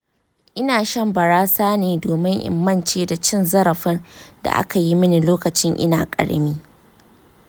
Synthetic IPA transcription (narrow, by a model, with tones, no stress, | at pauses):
ʔɪ˦naː˨ʃɐ˦mbɐ˨ɽaː˦saː˦neː˨doː˨mɪ˦ŋʔɪ̰˨mːɐ˦nt͡ʃeː˦da˨t͡ʃɪ˦nzɐ˦ɾɐ˨ɸɪ˦rda̰˨ʔa̰˦ka˨ji˦mɪ˦ni˨loː˦kɐ˨t͡ʃɪ˦ŋʔɪ̰˦naː˨kʼɐ̰˨ɽ̰miː˦